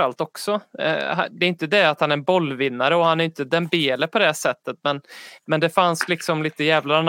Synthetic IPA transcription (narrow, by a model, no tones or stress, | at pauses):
ɾalt̪ɔksɔ̰ɦa̰d̪ɛɾʏnt̪əd̪ɛat̪hanæɾɛnbɔlːvɪnːaɾəɔhanæɾjʏnt̪əd̪ɛnbeːləpʰɔd̪ɛʂɛt̪ːət̪mɛnmɛnd̪ɛfanslɪksɔmliːt̪əjɛːvlan